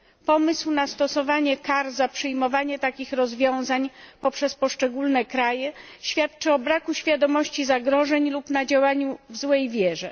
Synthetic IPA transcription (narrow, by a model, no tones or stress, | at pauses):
pɔmɘswnast̪ɔsɔvaɲɛkaɾzapʂɘjmɔvaɲɛt̪akʲixɾɔzvʲjɔ̃w̃zaɲpɔpʂɛspɔʂt͡ʂɛɡulnɛkɾajɛɕfʲjat̪t͡ʂɘɔbɾakuɕfʲjad̪ɔmɔɕt͡ɕizaɡɾɔʐɛɲlupnad͡ʑawaɲuvzwɛjvʲjɛʐɛ̰